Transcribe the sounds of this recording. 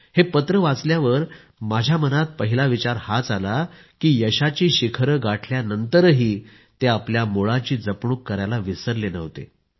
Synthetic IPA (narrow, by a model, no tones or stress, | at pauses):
hepət̪ɾəʋat͡sljaʋəɾ | mad͡ʑʱjamənat̪̚pəɦilaʋit͡ɕaɾhat͡sala | kiːjəɕat͡ɕiːɕikʰɾəɡaʈʰljanənt̪əɾɦiː | t̪eapljamoɭat͡ɕiːd͡zəpɳuːkːəɾjalaʋisəɾlenəʋt̪ḛ